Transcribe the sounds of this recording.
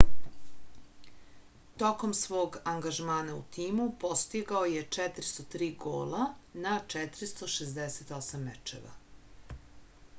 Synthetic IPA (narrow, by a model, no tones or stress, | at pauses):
t̪o̞ko̞msʋo̞ːɡaŋɡaʒmaːnaṵt̪iːmupo̞st̪iɡaoje̞t͡ʂɛt̪ɾi̥st̪ot̪ɾiːɡoːlanat͡ʃɛt̪ɾist̪o̞ʃezd̪eset̪o̞samːḛt͡ʃḛʋa̰